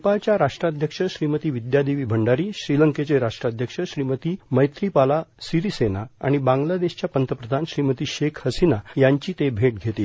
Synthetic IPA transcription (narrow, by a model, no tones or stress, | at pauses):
upat͡ɕjaɾaʂʈɾad̪ʱjəkʂəɕɾimət̪iːʋid̪jad̪iʋiːbʱəɳɖaɾiːɕɾiləŋket͡seɾaʂʈɾad̪ʱjəkʂəɕɾimət̪iːməjt̪ɾipalasiɾisenaa̰ɽ̃ibãŋɡlad̪eɕt͡ɕjapənt̪əpɾəd̪ʱanɕɾimət̪iːɕekʰhəsinajaɲt͡ɕiːt̪ebʱeʈ̚ɡʱet̪iː